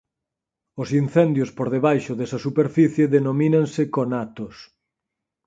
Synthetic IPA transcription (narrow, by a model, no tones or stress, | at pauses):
ʊsinθɛnd̪jospoɾðeβajʃʊðesɐsupeɾfiθjeðenomĩnɐ̃ŋsɪkonat̪os